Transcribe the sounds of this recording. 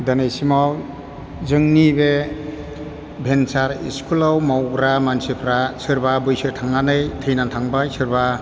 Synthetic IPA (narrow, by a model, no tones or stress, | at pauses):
danejsimaw | zɯŋnibe | bʱensaɾḭskulawmawɡɾamansipʰɾasɯɾbabɯjsɯɾtʰaŋnanɯjtʰɯjnantʰaŋbasɯɾba